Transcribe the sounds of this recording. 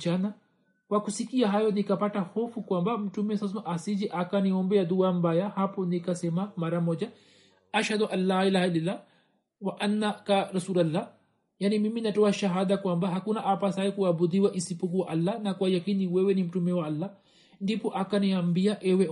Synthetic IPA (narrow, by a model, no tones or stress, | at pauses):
t͡ʃana | kwakusikiaɦajɔnikapatahɔfukwambam̩tumɛsas̬amaʔasid͡ʒiʔakaniɔmbɛjad̪uambajahapɔnikasɛmamaɾamɔd͡ʒa | aʃhad̪uʔanːailaːhailalːa | waʔanːakaɾasuːlalːa | janimiminatɔaʃaɦad̪akwambaɦakunaʔapasaɛkuabud̪iwaʔisipuk̬uwaʔalːanakwajakiniwɛwɛnim̩tumɛwaalːa | ndipɔʔakaniambiaʔɛwɛ